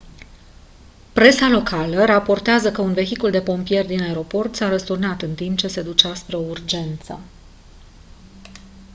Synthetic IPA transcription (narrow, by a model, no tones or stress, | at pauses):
pɾe̞salo̞kʰaləɾapo̞rt̪eazəkəunve̞çikuld̪e̞po̞mpije̞rʲd̪inaeɾo̞po̞rt̪saɾəst̪urnat̪ɨnt̪impt͡ʃe̞se̞d̪ut͡ʃaspɾe̞o̞urd͡ʒe̞nt̪sə̰